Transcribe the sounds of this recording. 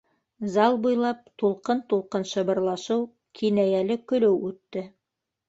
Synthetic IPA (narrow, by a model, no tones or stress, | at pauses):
zɑlˠbujlˠɑp̚t̪ulˠqɤnt̪ulˠqɤnʃɤ̆βɤ̆ɾlˠɑʃɤw | kʰinæjælɘkɵ̆lɘwʉt̪ːɘ